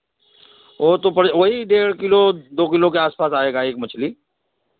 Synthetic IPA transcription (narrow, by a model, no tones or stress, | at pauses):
oːt̪opɐɽʋoɦiɖeːɾkɪlod̪oːkɪlõkeaːspaːsaːeːɡaːeːkmɐt͡ʃʰliː